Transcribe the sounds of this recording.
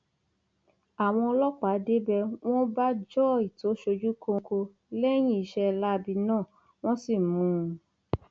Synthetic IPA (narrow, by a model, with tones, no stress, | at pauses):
a˨w̃ɔ̃˧ɔ˧lɔ˦k͡pa˨˦de˦bɛ˧w̃ɔ̃˦ba˦d͡ʒɔ˦i˨to˨˦ʃo˧d͡ʒu˦ko˧ko˧ | lɛ˦j̃ĩ˦i˨˧˦ʃɛ˧la˦˧bi˧nãː˦˨ | w̃ɔ̃˦si˦˨mũ˨˧˦